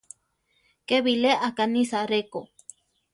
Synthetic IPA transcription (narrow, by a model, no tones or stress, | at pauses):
keβileʔakanisaɾeko